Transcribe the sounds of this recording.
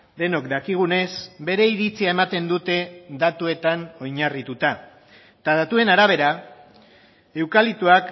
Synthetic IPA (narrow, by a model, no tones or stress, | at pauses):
d̪e̞no̞kd̪akiɣ̞une̞sbe̞ɾe̞iɾit͡siae̞mat̪e̞nd̪ut̪e̞d̪at̪ue̞t̪ano̞jɲarit̪ut̪a | t̪aðat̪ue̞naɾaβ̞e̞ɾa | e̞wkalit̪uak